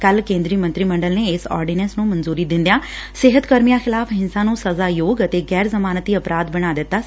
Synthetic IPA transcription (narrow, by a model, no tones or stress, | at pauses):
kəlkẽːnd̪ɾiːmə̃nt̪ɾiːmə̃ɳɖəlneːɪsɔ̰ːɾɖiːnɛsnũːmənzuːɾiːd̪ɪ̃nd̪jãːsɪɦət̪kəɾmijaːxʰɪlaːfʰɦɪnsãːnũːsəzaːjoːɡət̪eːɡɛːɾzəmaːnət̪iːəpɾaːd̪bəɽ̃aːd̪ɪt̪ːaː